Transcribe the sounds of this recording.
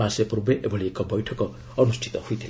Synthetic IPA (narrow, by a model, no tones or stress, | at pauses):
aseprubeʔebʱʌliekɔbʌjʈʰʌkɔ | ʌnusʈʰi̥t̪ɔhujt̪ʰil